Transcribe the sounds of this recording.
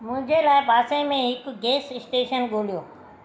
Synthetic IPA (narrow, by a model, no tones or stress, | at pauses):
mʊ̃ɦɪ̃ɲd͡ʑelaːɪbʱaːsẽmẽɦɪkɡeːsɪsʈeːʃənɠoːlijoː